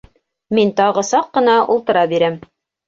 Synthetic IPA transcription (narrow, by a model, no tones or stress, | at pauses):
mint̪ɑʁɤsɑqːɤ̆nɑṵlˠt̪ɤ̆ɾɑbiɾæm